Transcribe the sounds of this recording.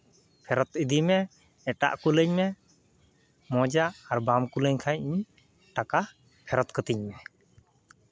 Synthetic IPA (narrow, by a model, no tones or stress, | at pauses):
pʰɛɾɔt̪id̪imɛː | ʈa̰ʔkuləɲmɛ | mɔd͡ʒaːɾbamkuləɲkʰajiɲ | ʈaka | pʰɛɾɔt̪̚kət̪iɲmɛ